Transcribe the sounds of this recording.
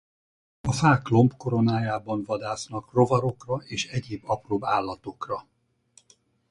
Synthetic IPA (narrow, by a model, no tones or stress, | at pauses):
ɒfaːklo̞mpko̞ɾo̞naːjaːbɒnvɒd̪aːsnɒkro̞vɒɾo̞krɒʔeːʃɛɟeːbːɒproːbaːlːɒt̪o̞krɒ